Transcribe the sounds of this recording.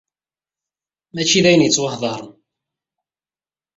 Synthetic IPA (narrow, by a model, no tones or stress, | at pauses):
mæt͡ʃːiðæjənjət͡sːwəħðˤɑɾˤ